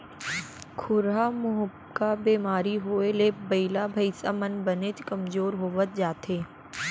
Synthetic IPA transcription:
kʰʊɾamʊɦəbkabeːmaːɾiɦoːelebɐɪlabʱɐɪsamɐnbɐnet̪ʰkɐmzoːɾɦoːʋət̪̚d͡ʒaːt̪ɦeː

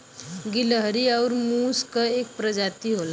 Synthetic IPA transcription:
ɡiləɦəɾiawɾmuskəek̚pɾəd͡ʒat̪iɦola

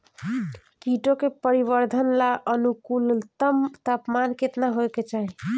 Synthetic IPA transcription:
kiʈokepəɾiβəɾd̪ʱənlaʔənukult̪əmt̪apmanket̪naɦojket͡ʃaɦi

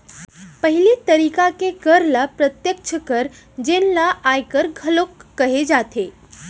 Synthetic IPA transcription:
pəɦilit̪əɾiːkakekəɾlapɾət̪jək̚t͡ʃʰəkəɾ | d͡ʒenlaʔajkəɾɡʱəlokːəɦed͡ʒaːt̪ʰe

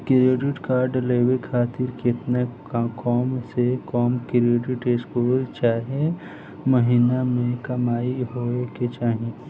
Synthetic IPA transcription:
kɪɾeːɖɪʈkaːɾɖleːʋekʰaːt̪ɪɾkɪt̪na | kɔːmsekɔːmkɾeːɖɪʈeskoːɾt͡ʃaːɦie | məɦinamẽkɐmaːiɦoːeket͡ʃaːɦẽ

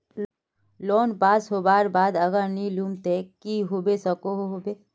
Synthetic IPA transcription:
loːnbaːsɦoːbaːɾbaːd̪ɐɡəɾniluːmt̪ekiɦobesɐkoɦoɦobeː

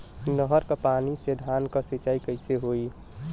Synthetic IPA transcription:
nəɦəɾkapaːnised̪ʱaːnkasit͡ʃaːikəɪseɦoi

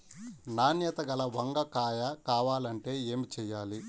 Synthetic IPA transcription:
naːnjɐt̪ɐɡɐlɐʋɐŋɡɐkaːjɐkaːʋaːlɐɳʈe̞ːeːmit͡ʃɛːjaːli

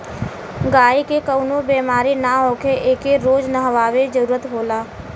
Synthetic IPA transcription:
ɡaːikekəʊnobeːmaːɾinaɦoːkʰeʔeːkeɾoːd͡ʒnəɦəʋaːʋed͡ʒəɾuːɾət̪ɦoːlaː

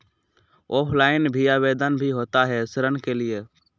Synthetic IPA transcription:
oːpʰlaːɪnbʱiaːbeːd̪ənbʱiɦoːt̪aɦɛsɾənkelie

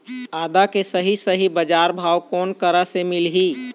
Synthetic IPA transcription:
aːd̪akesəɦisəɦibəd͡ʒaːɾbʱaːwkɔːnkəɾasemɪlɦiː

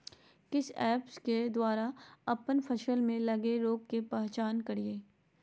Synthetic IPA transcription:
kɪsɛːpsked̪waːɾaɐpənpʰɐʃəlmẽlɐɡeɾoːɡkepɛɦt͡ʃaːnkɐɾieː

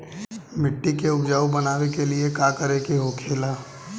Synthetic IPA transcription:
mɪʈːikeʊbd͡ʒaːubɐnaːwekeliekaːkəɾekeɦokʰeːlaː

